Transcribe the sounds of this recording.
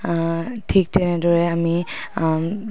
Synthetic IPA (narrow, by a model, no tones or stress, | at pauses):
tʰik̚tɛnɛdɔɹɛami